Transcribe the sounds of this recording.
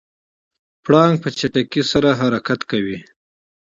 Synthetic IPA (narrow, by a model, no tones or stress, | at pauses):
pɽɑŋɡ̚pət͡ʃaʈakisaɾaɦaɾakat̪kawi